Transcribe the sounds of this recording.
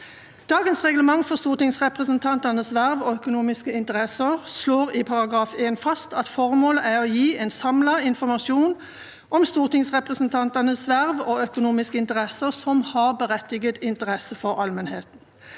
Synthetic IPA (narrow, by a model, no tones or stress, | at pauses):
d̪̥ɑːɡənsʁɛɡləmɑŋfɔʁst̪uːʁt̪ɪŋsʁɛpʁəsənt̪ʰɑnt̪ənəsʋæʁʋɔœkʊnuːmɪskəɪnt̪əʁɛsəʁsloːʁɪpʰɑʁɑɡʁɑːfeːnfɑst̪ɑt̪fɔʁmoːləʔæʁɔjiːɛnsɑmlɑɪnfɔʁmɑʃuːn | ʔɔmst̪uːʁt̪ɪŋsʁɛpʁəsənt̪ʰɑnt̪ənəsʋæʁʋɔœkʊnuːmɪskəɪnt̪əʁɛsəʁsɔmhɑʁbəʁɛt̪ːɪɡət̪ɪnt̪əʁɛsəfɔʁɑlmənheːt̪n̩